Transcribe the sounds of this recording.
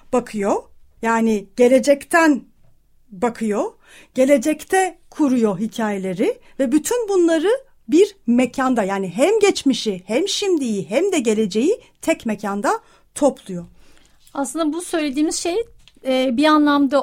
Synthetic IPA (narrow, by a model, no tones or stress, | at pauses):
b̥akʰɯjo | jaːnɪɟ̥e̞lʲe̞d͡ʒɛct̪ʰæn | bakʰɯjo | ɟ̥e̞lʲe̞d͡ʒɛct̪ʰɛkʰuɾujo̞ɦicʰaːje̞lʲe̞ɾɪvɛbyt̪ʰynbunlˠaɾɯ | biɾmecʰand̪ajaːniɦæmɟɛt͡ʃmiʃihæmʃimd̪ijiɦɛmd̪ɛɟe̞lʲe̞d͡ʒe̞jit̪ʰɛcmecʰand̪a | t̪ʰo̞plˠujo̞ | aslˠɯnd̪abusø̞jlʲed̪iːmizʃej | ɛːbianlˠamd̪a